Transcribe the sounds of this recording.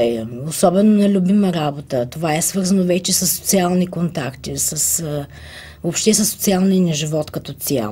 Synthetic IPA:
osɔbɛnonɛlʲubiməɾabot̪ət̪ovaɛsvɤɾzənovɛt͡ʃɛsəsːo̥t̪sialˠnikont̪akt̪isəs | vopʃt̪ɛsəsːo̥t̪sialˠniənɛʒivɔt̪kɐt̪ɔt̪sia̰

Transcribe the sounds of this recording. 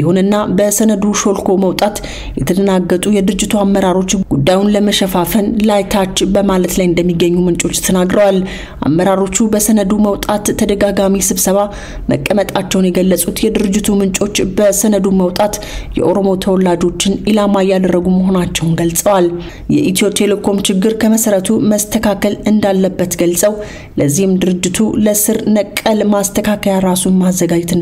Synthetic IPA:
jiho̞nɨnːabəsənəd̪uʃo̞lkʰo̞məwt̪ʼat̪ | jɛt̪ʰəd̪ənaɡːət̪ʼujɛd̪ɨɾɨd͡ʒːɪt̪ʰuamːəɾaɾo̞t͡ʃːɡ̥ud̪ːajunləməʃəfafənlajt̪ʰat͡ʃːbəmalət̪lajɪnd̪əmːiɡːəɲːumɨnt͡ʃʼo̞t͡ʃːt̪ʰənaɡɾəwal | ʔa̰mːəɾaɾo̞t͡ʃːubəsənəd̪uməwt̪ʼat̪ʰːəd̪əɡaɡamisɨβsəβa | mə̰kʼːəmət̪ʼat͡ʃːɛwnjɛɡəlːəsʼut̪jɛd̪ɨɾɨd͡ʒːɪt̪ʰumɨnt͡ʃʼo̞t͡ʃːbəsənəd̪uməwt̪ʼat̪ | jɛ̰ʔo̞ɾo̞mo̞t̪ʰəwɔlad͡ʒo̞t͡ʃːɪnilamajad̪ərːəɡuməɦo̞nat͡ʃːɛwnɡəlsʼəwal | jɛ̰ʔit̪o̞pʼelokʰo̞mt͡ʃɪɡːɨɾkʰəməsəɾət̪ʰuməst̪ʰəkʰakʰəlɨnd̪alːəbːət̪ɡəlsʼəw | ləzːihɪmd̪ɨɾɨd͡ʒːɪt̪ʰuləsɨɾnəkʼːəlmast̪ʰəkʰakʰəjaɾasumazːəɡad͡ʒt̪

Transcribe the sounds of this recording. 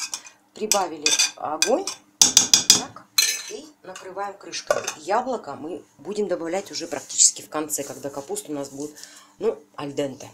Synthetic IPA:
pɾʲɪbavʲɪlʲɪɐ̰ɡo̞nʲ | t̪akinəkɾɨvajɪmkɾɨʂkəjablˠəkəmɨbudʲɪmd̪əbɐvlʲætʲʊʐɛpɾɐk̚tʲi̥t͡ɕɪ̥skʲɪfkɐnt̪sɛkɐɡd̪akɐpust̪ʊnasbuɪt̪ | nuɐlʲd̪ɛnt̪ə

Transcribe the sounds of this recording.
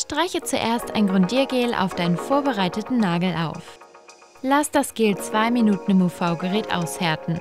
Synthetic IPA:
ʃtʁ̥aɪçət͡suʔḛːɐsta̰ɪnɡʁɔndiːɐɡeːlʔa̰ʊfd̥aɪnənfoːɐbəʁaɪtətn̩naːɡl̩ʔa̰ʊf | lasd̥asɡ̥eːlt͡sv̥aɪminuːtn̩ɪmofaʊɡəʁɛːtʔa̰ʊshɛɐtn̩

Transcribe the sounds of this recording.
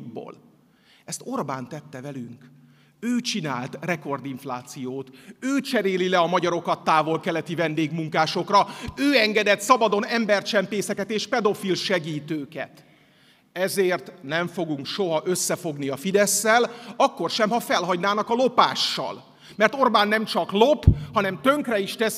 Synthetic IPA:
bo̰ːl | ɛst̪o̞rbaːnt̪ɛt̪ːɛvɛlyŋk | øːt͡ʃinaːlt̪rɛko̞rd̪iɱflaːt̪sijoːt̪øːt͡ʃɛɾeːlilɛɒmɒɟɒɾo̞kɒt̪ːaːvo̞lkɛlɛt̪ivɛnd̪eːɡmuŋkaːʃo̞krɒøːɛŋɡɛd̪ɛt̪sɒbɒd̪o̞nɛmbɛrt͡ʃɛmpeːsɛkɛt̪eːʃpɛd̪o̞filʃɛɡiːt̪øːkɛ̰t̪ | ɛzeːrt̪nɛɱfo̞ɡuŋkʃo̞ɦɒʔøsːɛfo̞ɡniɒfid̪ɛsːɛlɒkːo̞rʃɛmhɒfɛlɦɒɟnaːnɒkɒlo̞paːʃːɒ̰l | mɛrt̪o̞rbaːnːɛmt͡ʃɒklo̞phɒnɛmt̪ø̞ŋkrɛiʃt̪ɛs

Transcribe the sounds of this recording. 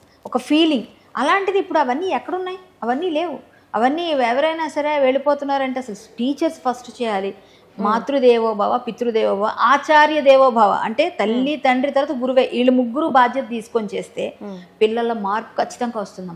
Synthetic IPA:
ɔkɐpʰiːliŋɡ | ɐlaːɳʈid̪iːpːuɽuɐʋɐnːiːɛkːɐɽɐunːaːjiɐʋɐnːiːle̞ːʋu | ɐʋɐnːiːɛʋɐɾɐjnaːsɐɾe̞ːʋeːɭipo̞ːt̪unːaːɾɐɳʈeɐsɐluspiːt͡ʃɐɾspʰɐsʈt͡ʃɛːjaːli | maːt̪ɾud̪ɛːʋoːbʱaːʋɐpit̪ɾud̪ɛːʋɐːbʱaʔaːt͡ʃaːɾjɐd̪ɛːʋoːbʱaːʋɐ̰ɐɳʈe̞ːt̪ɐlːit̪ɐɳɖɾit̪ɐɾɐt̪ɐɡuɾuʋeːʔiːɭːimuɡːuɾubaːd̪ʱjɐt̪ɐd̪iːsu̥konit͡ʃe̞ːst̪e̞ːpiɭːɐlːɐmaːɾpu̥kʰɐt͡ʃːi̥t̪ɐŋɡaːʋɐst̪und̪am

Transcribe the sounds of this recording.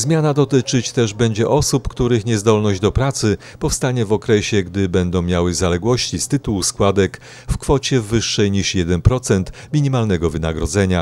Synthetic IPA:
zmʲjanad̪ɔt̪ɘt͡ʂɘt͡ɕt̪ɛʐbɛɲd͡ʑɛʔɔsupkt̪uɾɘxɲɛzd̪ɔlnɔʑd͡ʑd̪ɔpɾat̪sɘ | pɔfst̪aɲɛvɔkɾɛɕɛɡd̪ɘbɛnd̪ɔ̃w̃mʲjawɘzalɛɡwɔɕt͡ɕist̪ɘt̪uwuskwad̪ɛk | fkfɔt͡ɕɛvːɘʂːɛjɲiʂjɛd̪ɛnpɾɔt̪sɛnt̪mʲiɲimalnɛɡɔvɘna̰ɡɾɔd̪zɛɲa

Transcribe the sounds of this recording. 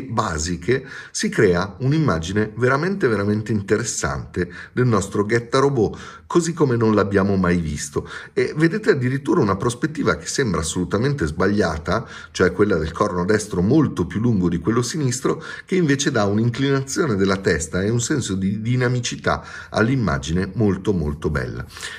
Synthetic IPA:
baːzikʰe | sikɾɛːaunimːaːd͡ʒineveɾament̪eveɾament̪eint̪eɾesːa̰nt̪ed̪elnɔst̪ɾoɡɛt̪ːaɾobo | kozikːomenõnlabːjaːmomajvḭst̪oeved̪eːt̪ead̪ːiɾit̪ːuːɾaunapɾospet̪ːiːvak̟e̥sembɾaːsːolut̪ament̪ezbaʎːa̰ːt̪a | t͡ʃoɛkːwelːad̪elkʰɔrnod̪ɛst̪ɾomolt̪opjulːuŋɡod̪ikwelːosinist̪ɾok̟eiɱveːt͡ʃed̪auniŋklinat̪sːjoːned̪elːat̪ɛst̪aeunsɛnsod̪id̪inamit͡ʃit̪a̰ | a̰lːimːa̰ːd͡ʒinemolt̪omo̰lt̪obɛ̰lːa̰

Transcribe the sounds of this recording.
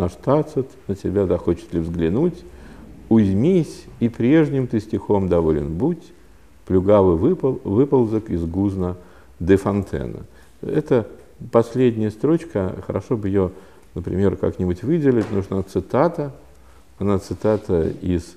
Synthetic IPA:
nɐʂt̪at̪sɨt̪nəsʲɪbʲad̪axot͡ɕɪ̥t̪lʲɪvzɡlʲɪnutʲ | ʊzʲmʲisʲipɾʲe̞ʐnʲɪmt̪ɨsʲtʲɪxomd̪ɐvolʲɪ̰nbutʲ | plʲʊɡavɨvɨpvɨpəlˠzəkɪzɡuznə | d̪əfɐnt̪ʰɛ̰nə̰ | ɛt̪ə | pɐsʲlʲedʲnʲɪjəst̪ɾo̞t͡ɕkəxəɾʔɐ̰ʂobɨɪjo | nəpɾʲɪ̰mʲe̞ɾka̰knʲɪbʊtʲvɨdʲɪlʲɪtʲnuʐnat̪sɨt̪at̪ə | ɐnat̪sɨt̪at̪əis

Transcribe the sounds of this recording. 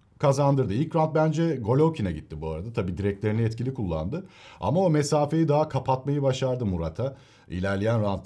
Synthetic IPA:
kʰazand̪ɯɾd̪ɯilʲcɾant̪̚bænd͡ʒɛɡo̞lʲowcʰinɛɟit̪ʰːibuaɾad̪at̪ʰabiːd̪iɾɛc̚tlʲe̞ɾinɛɛt̪cilʲikʰulˠːa̰nd̪ɯa̰maomesaːfe̞jid̪aɦakʰapʰat̪̚majɯbaʃaɾd̪ɯmuɾat̪ʰa | ḭlʲæɾlʲejænɾant̪

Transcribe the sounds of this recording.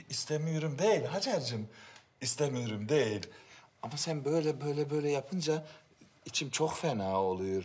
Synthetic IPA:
ist̪ʰemijoɾumd̪ejilʲɦad͡ʒaɾd͡ʒɯm | ist̪ʰemijoɾumd̪ejilʲamasænbø̞jlʲɛbøjlʲɛbø̞jlʲɛjapʰɯnd͡ʒa | it͡ʃʰimt͡ʃʰo̞kfɛnaːo̞lˠujoɾ

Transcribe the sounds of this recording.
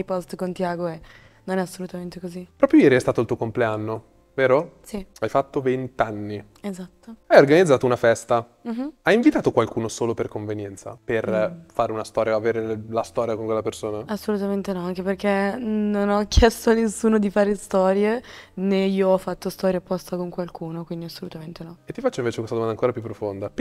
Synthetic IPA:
jpɔst̪kont̪iaːɡoe | nonɛasːolut̪ament̪ekozipɾɔːpɾjojɛːɾiɛst̪aːt̪olt̪uːokompleanːo | veːɾosiajfat̪ːovent̪anːi | ezat̪ːoajorɡanid̪zaːt̪ounafɛst̪a | m̩ajiɱvit̪aːt̪okwalkuːnosoːloperkoɱvenjɛnt̪sa̰perfaːɾeunast̪ɔːɾjaaveːɾelast̪ɔːɾjakoŋkwelːapersoːnaasːolut̪ament̪enɔaŋk̟eperk̟enonɔkːjɛst̪oanːesːuːnod̪ifaːɾest̪ɔːɾjeneiːoɔfːat̪ːost̪ɔːɾjapːɔst̪akoŋkwalkuːnokwind̪iasːolut̪ament̪enɔet̪ːifat͡ʃːoĩɱveːt͡ʃekwest̪adomand̪aŋkoːɾapjupːɾofond̪a

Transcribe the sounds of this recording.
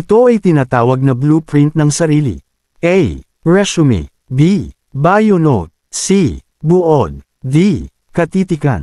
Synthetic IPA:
ʔɪt̪o̞ɐjt̪ɪnaːt̪aːwɐɡ̚nɐblupɹint̪̚nɐŋsɐɾiːlḭ | ʔɛj | ɹɛsʊmḭ | bi | bajonot̪̚si | bʊʔod̪̚ | di | kɐt̪iːt̪ɪkɐ̰n

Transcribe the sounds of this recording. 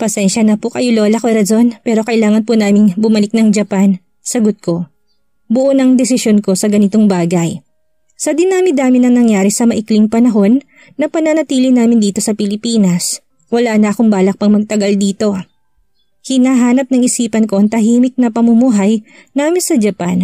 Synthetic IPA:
pɐsɛnʃɐnɐpʊkɐjolo̞ːlɐkoɾɐzo̞npɛːɾo̞kɐʔɪlaːŋɐnpʊnaːmɪŋbʊmɐlɪk̚nɐŋd͡ʒɐpan | sɐɡot̪̚kʰo̞ | bʊʔonɐŋd̪ɛsɪsjonko̞sɐɡɐnɪt̪o̞ŋbaːɡɐj | sɐd̪ɪnaːmɪd̪aːmɪnɐŋnɐŋjaːɾɛsɐmɐʔɪklɪŋpɐnɐɦo̞nː | ɐpɐnɐnɐt̪iːlɪnaːmɪnd̪iːt̪o̞sɐpɪlɪpiːnɐs | wɐlaːnɐʔɐkoŋbaːlɐk̚pɐŋmɐɡ̚t̪ɐɡɐld̪iːt̪o̞ | hɪnaːɦaːnɐp̚nɐŋɪsiːpɐnko̞ʔɐŋt̪ɐɦiːmɪk̪̚nɐpɐmumuɦɐj | naːmɪnsɐd͡ʒɐpan

